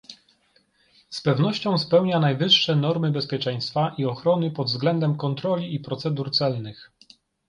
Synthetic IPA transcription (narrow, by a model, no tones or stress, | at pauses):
spɛvnɔɕt͡ɕɔ̃w̃spɛwɲanajvɘʂːɛnɔɾmɘbɛspʲjɛt͡ʂɛj̃st̪faʔiɔxɾɔnɘpɔd̪vzɡlɛnd̪ɛmkɔnt̪ɾɔlʲiːpɾɔt̪sɛd̪uɾt̪sɛlnɘx